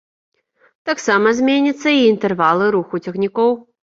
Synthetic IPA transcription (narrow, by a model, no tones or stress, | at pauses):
t̪aksamɐzʲmʲenʲit̪sːɐiːnt̪ɛrvalˠɨɾuxut͡sʲɛxnʲikɔw